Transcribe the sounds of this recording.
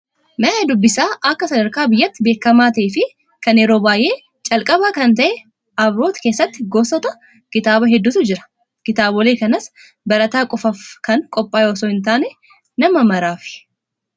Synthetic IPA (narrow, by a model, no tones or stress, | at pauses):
mɐaːd̪ʊbːɪsaːʔɐkːɐsɐd̪ɐɾkaːbɪjːɐt̪ːɪbe̞ːkːɐmaːt̪ɐːfɪ | kɐnɛɾoːbaːjʔe̞ː | t͡ʃʼɐlkʼɐβaːkɐnt̪ɐʔɛ | ɐbɾo̞ːt̪ke̞ːsːɐt̪ːɪɡoːsɔt̪ɐ | kɪt̪aːbɐɦɛd̪ːʊt̪ʊd͡ʒɪɾɐ̥ | kɪt̪aːbɔle̞ːkɐnɐs | bɐɾɐt̪aːkʼɔfɐfkɐŋkʼɔpʼːaːjoːsoːhɪnt̪aːnɛ | nɐmɐmɐɾaːfɪ̥